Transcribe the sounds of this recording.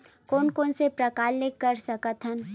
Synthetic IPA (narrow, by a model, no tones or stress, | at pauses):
koːnkoːnsepɾɐkaːlːɪkːəɾsɐkət̪ʰən